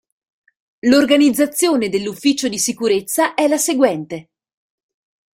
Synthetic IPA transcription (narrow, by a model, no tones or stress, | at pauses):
lorɡanid̪zːat̪sːjoːned̪elːufːiːt͡ʃod̪isikuɾet̪sːaʔɛlaseɡwɛnt̪e